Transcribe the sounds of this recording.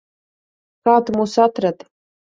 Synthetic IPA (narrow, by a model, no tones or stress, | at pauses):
kaːt̪musat̪rat̪